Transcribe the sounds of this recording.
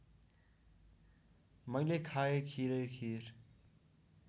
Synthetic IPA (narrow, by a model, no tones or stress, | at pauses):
mʌjlekʰaekʰiɾejkʰiɾ